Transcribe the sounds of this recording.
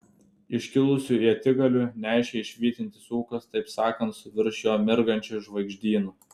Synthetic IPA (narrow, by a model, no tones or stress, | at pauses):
ɪʃʲkʲɪlˠʊsʲuːiɐt̪ʲɪɡɐlʲunʲæˑɪʃʲeɪʃʲʋʲiːt̪ʲɪnʲt̪ʲɪ̥suːkɐst̪ɐɪpsɑːkɐnt̪sʊʋʲɪɾʃjoːmʲɪɾɡɐnʲt͡ʃʲuʒʋɐɪɡʒʲd̪ʲiːnuː